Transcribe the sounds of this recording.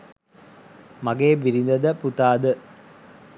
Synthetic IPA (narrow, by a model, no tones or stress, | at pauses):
maɡeːbiɾind̪əd̪əput̪aːd̪ə